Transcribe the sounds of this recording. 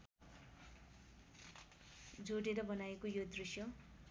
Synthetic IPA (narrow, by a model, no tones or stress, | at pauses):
d͡zoɽeɾʌbʌnajekojod̪risjʌ